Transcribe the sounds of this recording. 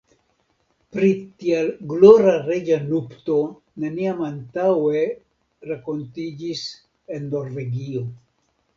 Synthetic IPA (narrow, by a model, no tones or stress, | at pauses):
pɾitialɡloɾaɾe̞d͡ʒanupto̞ | neniamantawe̞ | ɾako̞ntid͡ʒis | e̞nːo̞ɾve̞ɡio̞